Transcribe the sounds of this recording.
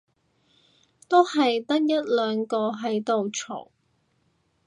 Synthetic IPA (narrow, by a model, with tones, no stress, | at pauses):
t̪o˥whɐ˨jt̪ɐ˥t̚jɐ˥t̚lœː˨˧ŋkɔː˧ɦɐ˨˥jt̪o˨wt͡ʃʰo̰˨˩w